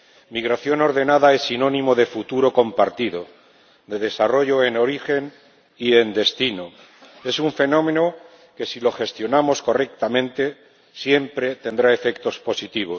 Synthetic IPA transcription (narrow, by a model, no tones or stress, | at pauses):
miɣ̞ɾaθjo̞no̞ɾðe̞naðae̞sːinõ̞nĩmo̞ð̞e̞fut̪uɾo̞ko̞mpaɾt̪iðo̞ | d̪e̞ð̞e̞saro̞ʝo̞e̞no̞ɾixe̞n | ie̞nd̪e̞st̪ino | e̞suɱfe̞nõ̞mẽ̞no | ke̞silo̞xe̞st̪jo̞namo̞sko̞re̞k̚t̪amẽ̞nt̪e̞ | sje̞mpɾe̞t̪e̞nd̪ɾae̞fe̞kt̪o̞spo̞sit̪iβ̞o̞s